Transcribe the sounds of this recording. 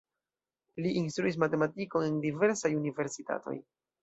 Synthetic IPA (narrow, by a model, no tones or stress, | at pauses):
liʔinstɾuis̬mate̞matiko̞e̞ndive̞ɾsajunive̞ɾsita̰to̞̰j